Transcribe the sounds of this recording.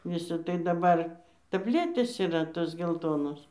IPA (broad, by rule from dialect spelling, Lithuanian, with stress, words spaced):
ˈʋʲɪsʲɪ tɐɪ dɐˈbɐr tɐbʲˈlʲæːtʲeːs iːˈrɐ ˈtoːs ɡʲɛlˠˈtoːnoːs